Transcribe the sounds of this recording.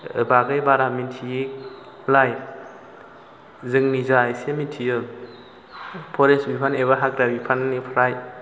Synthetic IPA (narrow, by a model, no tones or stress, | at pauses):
baɡajbaɾamintʰi | laj | zɯŋnizajsemitʰijɯl | pʰɔɾensbipʰaneβaɦakɾabipʰannipʰɾaj